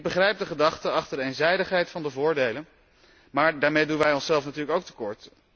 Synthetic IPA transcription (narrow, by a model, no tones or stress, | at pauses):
ɪɡ̚bəχrɛjp̚dəχədɑχtəɑχtəɹdəejnzɛjdəχɦɛjtfɑndəvʊːɹdejlən | maːɹdaːɹmejdunʋɛjɔnsɛlˠfnatyːɹləkowktə̥kɔɹt